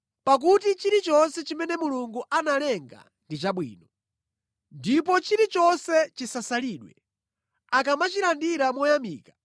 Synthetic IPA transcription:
pak̬utit͡ʃiɾit͡ʃɔnsɛt͡ʃimɛnɛmuluŋɡuʔanalɛŋɡa̰ | ndit͡ʃaɓwḭːnɔ | ndip̬ɔt͡ʃiɾit͡ʃɔnsɛt͡ʃisasaliːɗwɛ̰ | akamat͡ʃiɾandiɾamɔjamiːkḁ

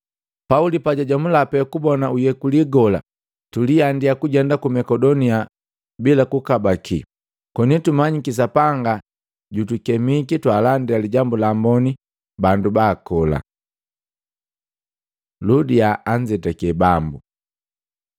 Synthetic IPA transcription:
paulipaɟaɟwamulapɛkubɔnaujɛkuliɡɔla̰ | tuliandijakuɟɛndakumɛkɔdɔnia | bilakukabakʰḭ | kɔnitumaɲikis̬apaŋɡa | ɟutukɛmikitwaːlandialiɟambulambɔni | bandubaːkɔla̰ | ludiaaɲd͡ʒɛtakɛbambu

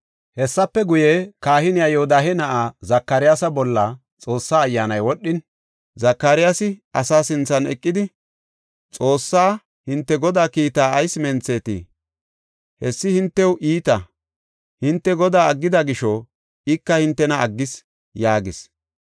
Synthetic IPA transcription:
hɛsːɐpːɛɡʊjekaːhɪnɪjaːjɛhʊd̪aːɦɛnɐʔaːzɐkːɐɾɪjaːsɐbɔlːɐ | t͡sʼo̞ːsːaːjːaːnɐjwɔɗːɪn | zɐkːaɾɪjaːsɪɐsaːsɪnt͡sːɐnɛ̰kʼːɪd̪ɪ | t͡sʼo̞ːsːaː | hɪnt̪ːɛɡɔd̪aːkiːt̪aːɐjsmɛnt͡sːeːt̪ḭː | hɛsːɪhɪnt̪ːɛwʔiːt̪ɐ | hɪnt̪ːɛɡɔd̪aːɐɡːɪd̪ɐɡɪʃɔ | ɪkːɐhɪnt̪ːɛnɐʔɐɡːɪs | jaːɡɪs

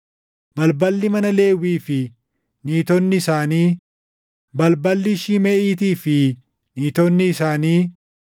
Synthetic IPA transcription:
bɐlbɐlːɪmɐnɐle̞ːwiːfɪ | niːt̪ɔnːɪːsaːniː | bɐlbɐlːɪʃimɛʔiːt̪iːfɪ | niːt̪ɔnːɪɪsaːniː

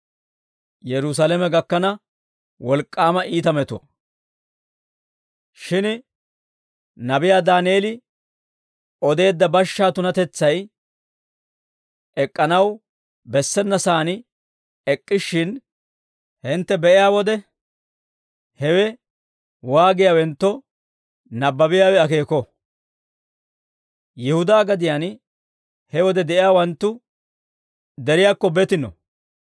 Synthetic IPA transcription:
jɛɾʊs̬alɛmɛɡɐkːɐnɐ | wɔlkʼːaːmɐʔiːt̪ɐmɛt̪ʊɐ̰ | ʃɪn | nɐbɪjaːd̪aːneːlɪ | ɔd̪e̞ːd̪ːɐbɐʃːaːt̪ʊnɐt̪ɛt͡sːɐj | ɛkʼːɐnɐw | bɛsːɛnːɐsaːnɪ | ɛkʼːɪʃːɪn | hɪnt̪ːɛbɛʔɪjaːwɔd̪ɛ | hɛwɛ | waːɡɪjawɛnt̪ːɔ | nɐbːɐbɪjaːwɛɐke̞ːkɔ | jɛhʊd̪aːɡɐd̪ɪjan | hɛwɔd̪ɛd̪ɛʔɪjaːwɐnt̪ːʊ | d̪ɛɾɪjaːkːɔbɛt̪ɪnɔ̰

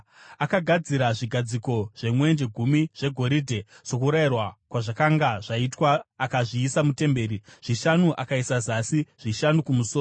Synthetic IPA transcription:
akaɡʱad͡ziɾaʐiɡʱad͡ziko̞ʐ̥e̞mwe̞nd͡ʒe̞ɡʱumiʐ̥e̞ɡʱo̞ɾidʱe̞ʐ̥o̞kuɾairwakwaʐakaŋɡaʐaitwaːkaʐiːsamute̞mbe̞ːɾiʐ̥iʃanuʔakaisazasiʐ̥iʃanukumusoː

